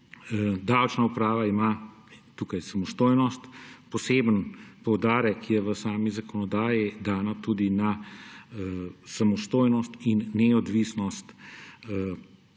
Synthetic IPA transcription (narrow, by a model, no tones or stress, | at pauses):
d̪awt͡ʃnaupɾaːʋaima | t̪uːkajsamɔst̪oːjnɔst̪pɔseːbənpɔwd̪aːɾɛkjɛʋəsaːmizakɔnɔd̪aːjid̪aːnat̪uːd̪ina | samɔst̪oːjnɔst̪inːɛɔd̪ʋiːsnɔst̪